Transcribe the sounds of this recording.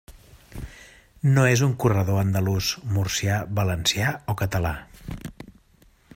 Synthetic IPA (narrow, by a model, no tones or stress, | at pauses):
noezuŋkurəðoənd̪əluzmursiaβələnsiaokət̪əla